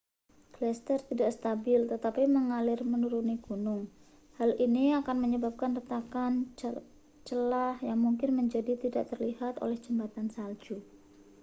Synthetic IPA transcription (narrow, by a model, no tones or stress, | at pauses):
ɡ̥lɛst̪ərt̪idaʔsə̥t̪abɪlt̪ət̪apiməŋalɪrmənuɾuniɡ̥unʊŋ | haliniakanməɲəbap̚kanrət̪akan | t͡ʃəlahjaŋmuŋkɪnməɲd͡ʒadit̪idaʔt̪ərlihat̪o̰lɛhd͡ʒəmbat̪ansald͡ʒu